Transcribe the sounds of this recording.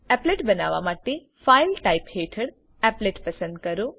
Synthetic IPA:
ɛpleːʈbənaːʋa̰maːʈe | fajlʈaipheːʈʰəɽ | ɛːpleːʈpɐsə̃nd̪̚kəɾo

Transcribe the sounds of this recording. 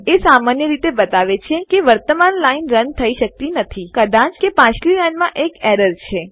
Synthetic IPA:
esamanjəɾit̪ebət̪aʋet͡ʃʰekeʋəɾt̪əmanlainɾənt̪ʰəiʃək̚t̪inət̪ʰikəd̪ãt͡ʃkepãt͡ʃliɾənmãʔekɛɾəɾt͡ʃʰe

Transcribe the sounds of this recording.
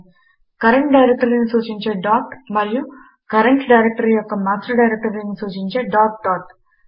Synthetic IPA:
kɐɾeɳʈɖɐjɾek̚ʈɐɾlɐnisuːt͡ʃiɲt͡ʃeɖaːt̪mɐɾiju | kɐɾeɳʈɖɐjɾek̚ʈɐɾijɔkːɐmaːsʈɐɾɖɐjɾek̚ʈɐɾlɐnisuːt͡ʃiɲt͡ʃeɖaːʈt̪aːʈ̪

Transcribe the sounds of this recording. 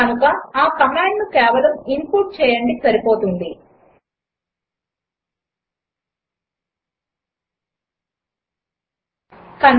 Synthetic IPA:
ɐnukɐaːkɐmaːɳɖnukɛːʋɐlɐmimpuːʈ̚t͡ʃɛːjɐɳɖisɐɾipo̞ːt̪und̪i | kɐn

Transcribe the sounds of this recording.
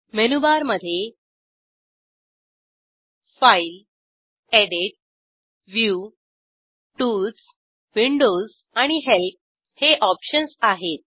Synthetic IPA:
menubaɾməd̪ʱːje | fajl | eɽiʈ̚ | ʋju | ʈuld͡z | ʋiɳɖoz | aɽ̃iɦelp̚ | heʔɔpɕənsaɦet̪̚

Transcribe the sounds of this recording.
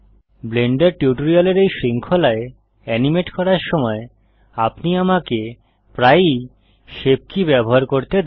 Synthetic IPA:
bleɳɖeɾʈiʈoɾialeɾejʃɾiŋkʰolae | ɛnimeʈkɔɾaɾʃɔmɔe | apniamake | pɾaj | ʃeb̚kʰibɛboɦaɾkoɾt̪ed̪

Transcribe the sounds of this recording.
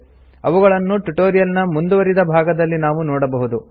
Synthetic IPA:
ɐʋuɡɐɭɐnːuʈuʈoːɾijɐlnɐmund̪uʋɐɾid̪ɐbʱaːɡɐd̪ɐlːinaːʋunɔːɽɐbɐɦud̪u

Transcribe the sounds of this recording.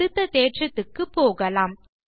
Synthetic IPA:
ɯt̪ːɐt̪eːʈrɯt̪ːɯkːɯpːoːɣɐlaːm

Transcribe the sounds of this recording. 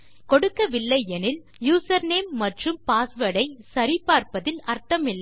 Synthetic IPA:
kɔɽɯkːɐʋɪlːɐɪɛnɪl | juːsɐɾneːmːɐʈrɯmpaːsʋɐɽɐɪsɐɾɪpːaːɾpɐðɪlɐɾt̪ɐmɪlː

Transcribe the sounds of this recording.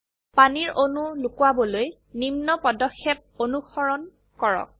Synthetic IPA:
paniɹonulukwabɔloj | nimnɔpɔdɔkʰːɛp̚onuxɔɹɔn | kɔɹɔ̰k̚

